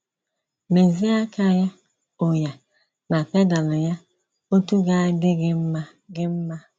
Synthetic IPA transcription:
me˨zi˦a˦ka˦ja˦ | o˨ja˨ | na˨pɛ˦da˨lʊ˨ja˦ | o˦tu˦ɡa˦a˦dɪ˦ɡɪ˦m̩˦ma˦ | ɡɪ˦m̩˦ma˦

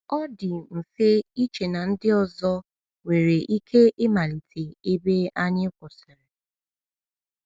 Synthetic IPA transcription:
ɔ˦dɪ˨n̩˨fe˦i˦t͡ʃe˨na˨n̩˦dɪ˦ɔ˨zɔ˦ | we˨ɾe˨ʔi˦kʰe˦ʔɪ˦ma˨li˨te˨e˦be˦a˦ɲɪ˦kʷʊ˨sɪ˨ɾe˨

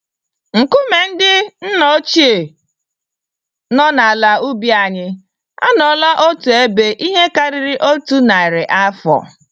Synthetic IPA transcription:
ŋ̩˨kʊ˦me˨n̩˦dɪ˦n̩˦no˦t͡ʃi˦e˨ | nɔ˦na˨la˨u˦bi˦a˨ɲɪ˦ | a̰˦nɔ˨la˦ʔo˦tu˨e˦be˨ʔi˦ɦe˦ka˦ɾɪ˦ɾɪ˦ʔo˦tu˦na˨ɪ˨ɾɪ˨ʔa˦fɔ̰˨

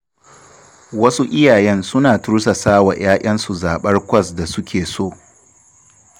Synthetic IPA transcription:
wɐ˦su˦ʔɪ˦jaː˨jɛ˦nsʊ˦naː˨tʊ˦sa˨saː˦wa˨j̰aː˦ʔʲʼɐ˦nsu˨zaː˨ɓɐ˦rkʷɐ˦sda˨sʊ˦kʲʰeː˨soː˦˨

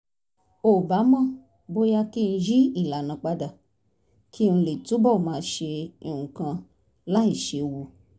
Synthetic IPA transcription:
o˦˨ba˨˦mã˦˨ | bo˦ja˧ki˦˧ñ̩˧˦d͡ʒi˦i˨la˨nã˨k͡pa˧da˧˨ | kʰi˦ñ̩˧le˨tu˨˦bɔ˦˨mãː˨˧˦ʃe˧i˨ũ˨kã˧ | la˦i˨ʃe˨˧wu˧

